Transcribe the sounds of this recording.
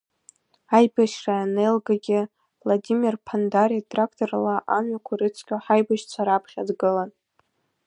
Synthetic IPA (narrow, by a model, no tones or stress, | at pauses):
ajbaʃraanelɡaɡʲɪ | vladʲimirpʰandaɾiatʰrakʰtʰoralaʔanɥakʷʰaɾɨt͡sʷʰkʲaħajbaʃt͡sʷʰaɾapʰχʲadɡɨlan